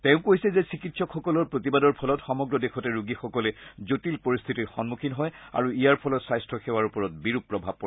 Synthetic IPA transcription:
tɛ̃ʊ̃koɦjsɛzɛsikitsɔkxɔkɔlɔɹpɹotibadɔɹpʰɔlɔtxɔmɔɡɹɔdexʰɔtɛɹuɡixɔkɔlɛzotilpoɹist̪ʰitiɹxɔnmukʰinɦɔja̰ɹuijaɹpʰɔlɔtsajstʰɔxewaɹupɔɹɔt̚biɹupːɹɔbʱab̚pɔ

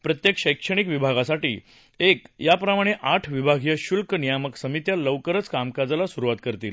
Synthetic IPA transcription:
pɾət̪jekʂəjkʂəɽ̃ikʋibʱaɡasaʈḭː | ekjapɾəmaɽ̃eʔaʈʰʋibʱaɡjəɕulkənijaməksəmit̪jaləʋkəɾət͡skamkad͡zəlasuɾuʋat̪kəɾt̪iːl

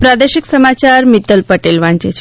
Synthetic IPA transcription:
pɾad̪eʃiksəmat͡ʃaɾmit̪əlpəʈelʋãɲt͡ʃet͡ʃʰ

